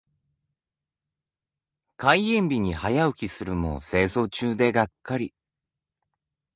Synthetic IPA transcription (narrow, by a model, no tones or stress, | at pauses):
kaiẽ̞mbʲiɲ̟ihajaɯ̟kʲisɨɾɯ̟mo̞̰se̞ːso̞ːt͡ɕɨːd̪e̞ɡakʰːaɾʲi